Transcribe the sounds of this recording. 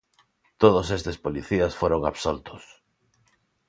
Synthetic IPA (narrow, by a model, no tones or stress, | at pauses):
t̪oð̞osest̪espoliθiasfoɾoŋaβsolt̪ʊs